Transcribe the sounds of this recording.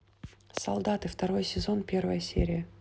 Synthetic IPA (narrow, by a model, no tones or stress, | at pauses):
sɐ̰lˠd̪at̪ɨft̪ɐɾo̞jsʲɪzo̞npʲe̞rvəjəsʲḛɾʲɪjə